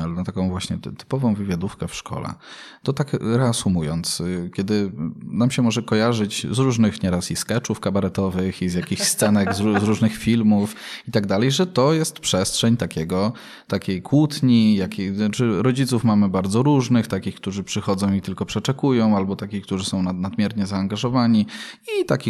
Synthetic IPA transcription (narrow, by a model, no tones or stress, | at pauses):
alɛnat̪akɔ̃w̃vwaɕɲɛt̪ɘ̥pɔvɔ̃w̃vɘvʲjad̪ufkɛfʂkɔ̰lɛ̰ | t̪ɔt̪akɾɛasumujɔnt̪skʲjɛd̪ɘnamɕɛmɔʐɛkɔjaʐɘt͡ɕzɾuʐnɘxɲɛɾasiskɛt͡ʂufkabaɾɛt̪ɔvɘxizjakʲixst̪sɛnɛɡzuzɾuʐnɘxfʲilmufit̪aɡd̪alɛjʐɛt̪ɔjɛst̪pʂɛstʂɛɲt̪akʲɛɡɔ | t̪akʲejkwut̪ɲijakʲet͡ʂɘɾɔd͡ʑit̪sufmamɘbaɾd̪zɔɾuʐnɘxt̪akʲixk̚t̪uʐɘpʂɘxɔd̪zɔ̃w̃it̪ɘlkɔpʂɛt͡ʂɛkujɔ̃w̃albɔt̪akʲixk̚t̪uʐɘsɔ̃w̃nanad̪mʲjɛɾɲɛzaːŋɡaʐɔvaɲiit̪akʲi